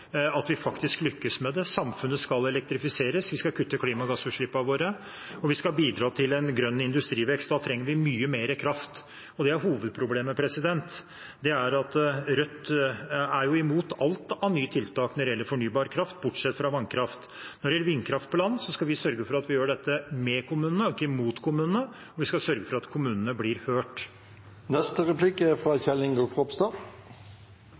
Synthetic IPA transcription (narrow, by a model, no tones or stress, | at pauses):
ɑt̪ʋɪfɑkt̪ɪsklʏkːəsmɛd̪ɛsɑmfʉnːəskɑlɛlɛk̚t̪ɾɪfɪseːɾəsʋɪskɑkʰʉt̪ːəkʰliːmɑɡɑsʉːʂɭɪpːɑʋoːɾə | ɔʋɪskɑbiːd̪ɾɑːt̪ʰɪlɛnɡɾœnːɪnd̪ʉst̪ɾiːʋɛkst̪d̪ɑːt̪ʰɾɛŋːəɾʋɪmyːəmeːɾəkʰɾɑft̪ | ɔd̪ɛæɾɦuːʋəd̪̚pʰɾʊbleːməpʰɾɛsɪd̪ɛnt̪ | d̪ɛæɾɑt̪ɾœt̪ː | æɾjʊɪmuːt̪ɑlt̪ɑʋnyːt̪ʰɪlt̪ʰɑːknɔɖɛɛlːəɾfɔɳyːbɑːɾkʰɾɑft̪̚bʊʈʂɛt̪ːfɾɑʋɑŋkʰɾɑft̪ | nɔɖɛjɛlːəɾʋɪnːkʰɾɑft̪̚pʰɔlɑnːsɔskɑʋɪsœɾɡəfɔɾɑt̪ʋɪjøːɖɛt̪ːəmɛkʰʊmʉːnənəɔɪkːəmuːt̪kʰʊmʉːnənə | ɔʋɪskɑsœɾɡəfɔɾɑt̪kʰʊmʉːnənəblɪɾhøːʈ | nɛst̪əɾɛpʰlɪkəfɾɑçɛlɪŋɡəlfʁɔpst̪ɑ